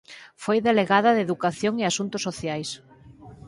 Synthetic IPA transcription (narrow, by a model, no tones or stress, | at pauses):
fojðeleɣaðɐðeðukaθjoŋɪasunt̪ʊsːoθjajs